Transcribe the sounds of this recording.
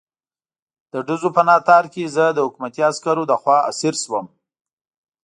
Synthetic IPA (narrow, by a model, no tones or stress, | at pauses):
d̪̥əɖəzopənɑt̪ɑɾkezəd̪əhʊkmat̪iaskaɾod̪əxwɑa̰siɾswəm